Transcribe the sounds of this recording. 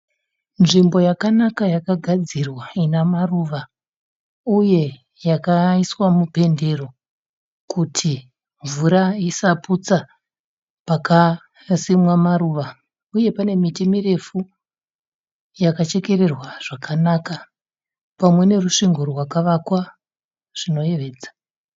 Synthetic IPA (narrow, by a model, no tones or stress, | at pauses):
nʐimbo̞jakanakajakaɡʱad͡zirwainamaruːʋa | uje̞ | jakaiswamupe̞nde̞ro̞ | kutʰi | ɱvuɾaisaput͡sa | paka | simwamaɾuːʋa | uje̞pane̞mitimire̞fu | jakat͡ʃe̞ke̞ɾe̞rwaʐ̥akʰanaːka | pamwe̞ne̞ruʂiŋɡorwakaʋakwa | ʐ̥ino̞je̞ʋe̞ːd͡zḁ